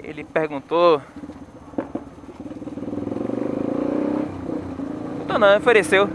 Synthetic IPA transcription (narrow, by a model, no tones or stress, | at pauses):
ḛlɪpehɡũt̪o | ũt̪õnɐ̃w̃ofeɾesew